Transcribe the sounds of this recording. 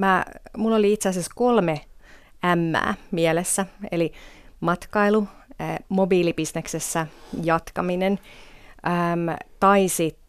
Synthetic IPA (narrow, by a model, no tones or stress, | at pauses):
mæmulːoliit̪seɑsesko̞lme | æmːæ̰ːmiɛlesːæḛlimɑt̪kɑilumobiːlibisneksesːæjɑt̪kɑminenʔəmt̪ɑisit̪